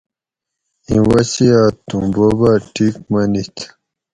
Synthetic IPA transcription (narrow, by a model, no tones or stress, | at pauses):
ĩwasiat̪ũbobaʈʰikmanit̪ʰ